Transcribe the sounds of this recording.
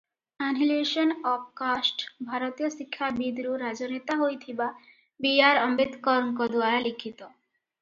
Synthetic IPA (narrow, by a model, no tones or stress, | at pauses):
anɦileʃɔnɔp̚kasʈbʱaɾot̪ijoʃikʰːabid̪ɾuɾad͡ʑonet̪aɦojt̪ʰiba | biaɾɔmbet̪kɔɾɔŋkɔd̪uaɾalikʰːit̪ɔ